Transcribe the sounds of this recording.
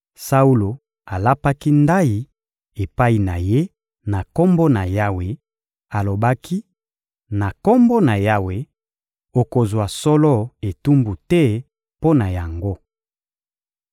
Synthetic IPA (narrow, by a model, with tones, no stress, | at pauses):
sa˦u˦lo˨ | a˨la˦pa˦ki˦nda˦ji˨ | e˨pa˦i˨na˨je˦ | na˨ko˦mbo˦na˨ja˦we˨ | a˨lo˨ba˦kʰi˦ | na˨kɔ˦mbo˦na˨ja˦we˨ | o˨ko˨zwa˨sɔ˦lɔ˦e˨tu˦mbu˨tɛ˦ | po˦na˨ja˨ŋɡo˦